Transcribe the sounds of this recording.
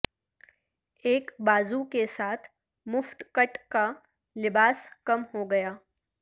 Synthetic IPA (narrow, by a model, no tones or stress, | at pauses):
eːkbaːzukesaːt̪ʰ | mʊft̪kɐʈka | lɪbaːskɐmhoɡɐjaː